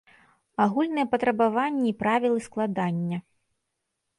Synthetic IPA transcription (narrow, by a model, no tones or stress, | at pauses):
aɣulʲnɨjɛpɐt̪ɾɐbavanʲːɛipɾavʲilˠɨsklˠad̪anʲːɐ